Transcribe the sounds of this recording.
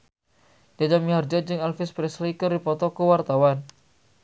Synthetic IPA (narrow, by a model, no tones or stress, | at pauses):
d͡ʒ̥ad͡ʒamiɦard͡ʒad͡ʒɪŋalfɪspɾɛslikərdipɔt̪ɔkəwart̪awan